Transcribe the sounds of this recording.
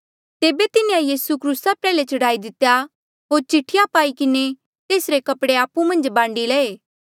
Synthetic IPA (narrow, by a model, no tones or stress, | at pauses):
t̪eːbet̪ɪneãjiːsukʰɾuːsapɾɛːlet͡ʃɐɽaːid̪ɪt̪ːja | ɦoːɾt͡ʃɪʈʰːɪjãpaːikɪne | t̪eːsɾekɐpɽeaːpumɐ̃nd͡ʒbãːɳɖilɛːeː